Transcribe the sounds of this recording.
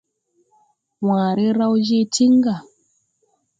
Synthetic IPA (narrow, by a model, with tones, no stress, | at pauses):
waː˨ɾi˦ɾa˦wd͡ʒi˦ti˦ŋ˦ɡa˨